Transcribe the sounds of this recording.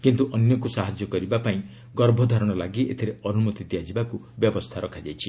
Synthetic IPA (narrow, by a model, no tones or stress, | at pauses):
kint̪uʔɔnjɔkusaɦad͡ʒjɔkɔɾibapaĩ | ɡɔɾbʱɔd̪ʱaɾɔɽ̃ɔlaɡiʔet̪ʰiɾeɔnumut̪it̪iad͡ʒibaku | bjɔbɔst̪ʰaɾɔkʰad͡ʒajt͡ʃʰi